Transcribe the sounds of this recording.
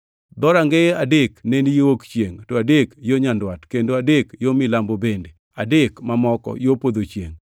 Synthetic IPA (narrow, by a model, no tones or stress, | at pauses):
d̪ɔɾaŋɡeadeknenijowokt͡ʃjeŋtɔadekjoɲandwatkendoadekjomɪlambobende | adekmamɔkɔ̰jopod̪ot͡ʃjḛŋ